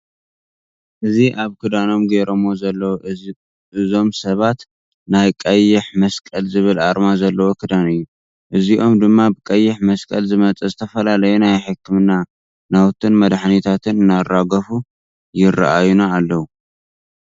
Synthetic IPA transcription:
ʔɨziʔaβkʰɨd̪ano̞mɡeɾomozɐlːɐw | ɨzo̞msɐβat̪ | najkʼɐjːɪħmɐskʼɐlzɨβɨlʔaɾmazɐlːɐwokʰɨd̪anɨjːu | ʔɨziʔo̞md̪ɨmːabɨkʼɐjːɪħmɐskʼɐlzɨmɐt͡sʼɐzɨt̪ʰɐfɐlalɐjunajħɨkʰːɨmɨnːa | nawt̪ʰɨnmɐd̪ħnit̪ʰat̪ʰɨnɨnːarːaɡɐfu | jɪrːa̰ʔajunaːlːɐwu

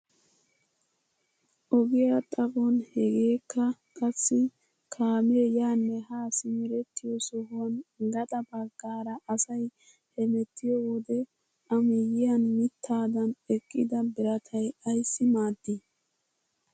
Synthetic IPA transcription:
ʔɔɡɪjat̪ʼɐbɔnhɛɡe̞ːkːɐ | kʼɐsːɪ | kʰaːmɪɛjaːnːɛhaːsɪmɪɾɛt̪ːɪjɔsɔhʊɐnɡɐt̪ʼɐbɐɡːaːɾɐʔɐsɐj | hɛmɛt̪ːɪjɔwɔd̪ɛ | ʔɐmɪjɪjɐnmɪt̪ʰːaːd̪ɐnɛkʼːɪd̪ɐbɪɾɐt̪ʰɐjɐjsːɪmaːd̪ːɪ

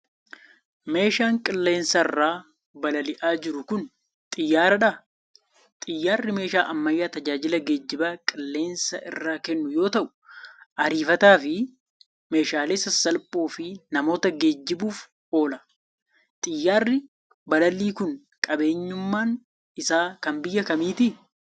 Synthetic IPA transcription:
me̞ːʃaːŋkʼɪlːe̞ːnsɐɪ̰rːaː | bɐlɐlɪʔaːd͡ʒɪɾʊkʊn | t̪ʼɪjːaːɾɐᶑɐ | t̪ʼɪjːaːrːɪme̞ːʃaːʔɐmːɐjːaːt̪ɐd͡ʒaːd͡ʒɪlɐɡeːd͡ʒːɪbaːkʼɪlːe̞ːnsɐ̰ʔɪ̰rːaːkɛnːʊjo̞ːt̪ɐʔʊ̥ʔɐɾiːfɐt̪aːfɪ | me̞ːʃaːleːsɐsɐlpʼoːfɪnɐmo̞ːt̪ɐɡe̞ːd͡ʒːɪbuːf | o̞ːlɐ | t̪ʼɪjːaːrːɪ | bɐlɐliːkʊn | kʼɐbe̞ːɲːʊmːaːn | ɪsaːkɐmbɪjːɐkɐmiːt̪ɪ

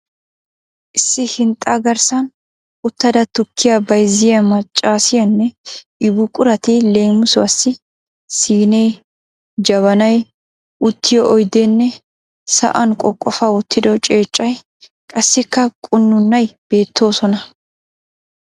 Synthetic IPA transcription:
ʔɪsːɪhɪnt̪ʼːaɡɐɾsɐn | ʊt̪ːɐd̪ɐt̪ʊkʰːɪjɐbɐjzɪjɐmɐt͡ʃʼːaːsɪjɐnːɛʔɪbʊkʼʊɾɐt̪ɪle̞ːmʊsʊɐsːɪ | siːnej | d͡ʒɐβɐnɐj | ʔʊt̪ːɪjɔʔɔjd̪enːɛ | sɐ̰ʔɐnkʼɔkʼːɔfɐwʊt̪ːɪd̪ɔt͡ʃʼe̞ːt͡ʃʼːɐj | kʼɐsːɪkːɐkʼʊnːʊnːɐjb̥e̞ːt̪ʰːo̞ːsɔnɐ

